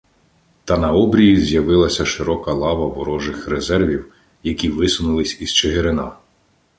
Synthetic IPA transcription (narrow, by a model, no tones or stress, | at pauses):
t̪ɐnɐɔbɾʲijizʲjɐʋɪlˠɐsʲɐʃɪɾɔkɐlˠɑʋɐʋɔɾɔʒɪxrezɛrʋʲiw | jɐkʲiʋɪsʊnʊlˠɪsʲiz̥t͡ʃeɦeɾɪnɑ